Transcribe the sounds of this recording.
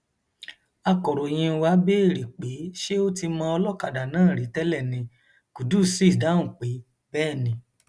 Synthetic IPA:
a˧kɔ˨ɾo˨j̃ĩ˧wa˧˦be˦e˦˨ɾi˨k͡pe˨˦ʃe˦o˦ti˧mɔ̃ː˧ɔ˧lɔ˦˨ka˨da˨nãː˦˨ɾi˨˦tɛ˦lɛ˦˨nĩ˧ | ku˨du˦˨si˦˨sda˨˦ũ˦˨k͡pe˨˦ | bɛː˦˨nĩ˧˦

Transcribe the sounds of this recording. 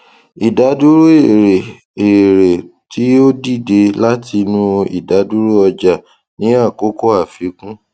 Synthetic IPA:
i˨da˨˦du˦ɾo˦e˦˨ɾe˨ | e˨ɾe˨tʰi˨˦o˦di˦˨de˧la˦tʰi˧nũ˦˧ḭ˨da˨˦du˦ɾo˦ɔ˧d͡ʒa˨ | nĩ˨˦a˦˨ko˨˦ko˦a˦˨fi˨˦kũ˦

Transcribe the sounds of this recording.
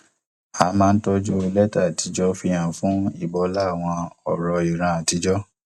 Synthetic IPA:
a˨mãː˦˧n̩˦tɔ˧d͡ʒo˧lɛ˦ta˦˨ti˨˧˦d͡ʒɔ˦fi˧j̃ã˨fũ˦ḭ˦˨bɔ˧˦la˦˨w̃ɔ̃˧ɔ̰˨ɾɔ˧i˨ɾ̃ã˧a˨ti˨˦d͡ʒɔ˦

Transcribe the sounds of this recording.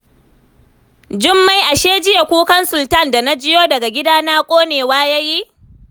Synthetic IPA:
d͡ʒɪ˦mːa˨˦jʔa˨ʃeː˦d͡ʒɪ˦ja˨kʷuː˦kɐ˦nsʊ˨ltɐ˦˨nda˨na˦d͡ʒɪ˦joː˦dɐ˨ɡa˨ɡʲɪ˦daː˦naː˦kʷʼoː˦neː˨waː˦ja˦ji˦

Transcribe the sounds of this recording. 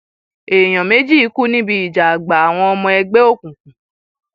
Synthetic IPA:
e˨j̃ɔ̃˨me˨˦d͡ʒi˦i˨˦ku˦nĩ˦bi˧i˨d͡ʒa˨a˨ɡ͡ba˨a˨w̃ɔ̃˧ɔ˧mɔ̃˧ɛ˧ɡ͡be˦o˦˨kũ˨kũ˨

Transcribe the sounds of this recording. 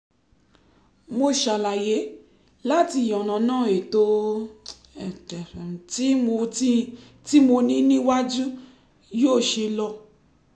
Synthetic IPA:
mo˧ʃa˨la˨je˨˦ | la˦ti˧˨jɔ˨nã˨nãː˦˨e˨to˧ | ɛ˨tɛ̃˨ti˦mo˧i˦ | ti˦mo˧nĩ˦nĩ˦wa˦d͡ʒũ˦ | joː˦˨ʃe˧lɔ˧

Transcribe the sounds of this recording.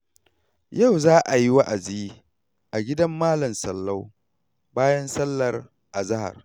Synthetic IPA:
ja˦˨wzaː˦ʔa˨ji˦wa˦ʔa˨zi˦i˦ | ʔa˨ɡʲɪ˦dɐ˦mːaː˦lɐ˨msɐ˨lːɐ˦w | baː˦jɐ˦nsɐ˦lːɐ˨r | ʔa˨zɐ˦ha̰˨r

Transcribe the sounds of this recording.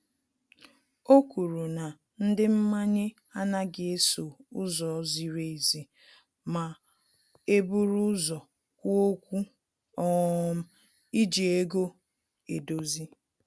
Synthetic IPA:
o˦ku˨ɾu˨na˨ | n̩˦dɪ˦m̩˦ma˦ɲɪ˦ | a˦na˦ɡɪ˨e˦so˨ʊ˦zɔ˨˦zi˨ɾe˦i˨zi˨ | ma˨ | e˦bu˦ɾu˦zɔ˨ | ko˦kʷu˦ | ɔ˦˨m̩˦ | i˦d͡ʒi˨e˦ɡo˦ | e˨do˦zi˦

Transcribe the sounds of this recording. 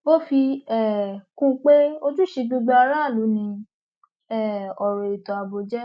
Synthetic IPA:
o˦fi˧ɛ˦˨kũ˦k͡pe˦o˧d͡ʒũ˦ʃe˧ɡ͡bu˧ɡ͡ba˧a˧ɾa˦˨lu˨˦nĩ˧ | ɛ˦˨ɔ˨ɾɔ˨i˨tɔ̃˨a˨bo˧d͡ʒɛ˦

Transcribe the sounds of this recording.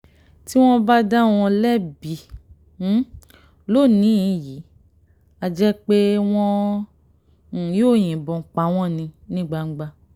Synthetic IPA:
ti˦w̃ɔ̃˦ba˦da˦w̃ɔ̃˧lɛ˦˨bi˨˦ | lo˦˨nĩ˨˦˧ji˨˦ | a˨d͡ʒɛ˦k͡pe˦w̃ɔ̃˦˨ | joː˦˨j̃ĩ˨bɔ̃˨k͡pa˨˦w̃ɔ̃˦˨nĩ˧nĩ˦ɡ͡ba˧ŋ͡m̩˦ɡ͡ba˧

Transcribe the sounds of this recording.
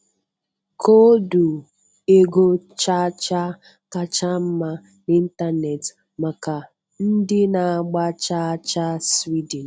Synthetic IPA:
kʰo˦du˨ | e˦ɡo˦ | t͡ʃa˦t͡ʃa˦ | ka˦t͡ʃa˦m̩˦ma˦ | ni˦n̩˦ta˦ne˨t | ma˨ka˨ | n̩˦dɪ˦na˨a˨ɡ͡ba˦t͡ʃa˦t͡ʃa˦swi˦dn̩˨

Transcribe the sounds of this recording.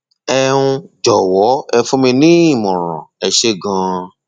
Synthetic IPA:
ɛ˧ũ˧d͡ʒɔ˨wɔ˨˦ɛ˧fũ˦mĩ˧nĩ˦i˦˨mɔ̃˨ɾ̃ã̰˨ɛ˧ʃe˦˨ɡã˧

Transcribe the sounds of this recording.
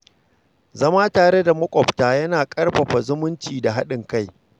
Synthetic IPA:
zɐ˦maː˦taː˨ɽe˦da˨mɐ˦kʷʼɔ˨ɸtaː˨jɐ˦naː˨kʼɐ˦rɸɐ˨ɸa˨zʊ˦mʊ˦nt͡ʃiː˨da˨ɦa˦ɗɪ˨ŋka˦˨j

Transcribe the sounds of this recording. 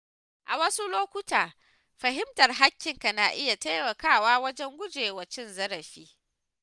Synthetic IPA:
ʔa˨wɐ˦su˦loː˦kʷʊ˦taː˨ | ɸɐ˨ɦɪ˦mtɐ˨rɦa˦kʲːɪ˨ŋka˨naː˨ʔɪ˦ja˨ta˦jmɐ˨kaː˦˨waː˦wɐ˦d͡ʒɛ˦ŋɡʷʊ˦d͡ʒeː˨wɐ˨t͡ʃɪ˦nzɐ˦ɾɐ˨ɸiː˦

